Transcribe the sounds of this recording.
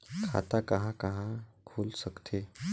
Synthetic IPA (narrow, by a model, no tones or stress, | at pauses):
kʰa̰t̪akəɦãkəɦãkʰulsəkt̪ʰe